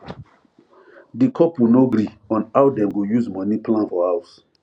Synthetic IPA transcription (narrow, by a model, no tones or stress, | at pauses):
dikʰɔpwinoɡɾi | ɔ̃nawdɛ̃mɡojuzmɔniplãnfɔhawʊs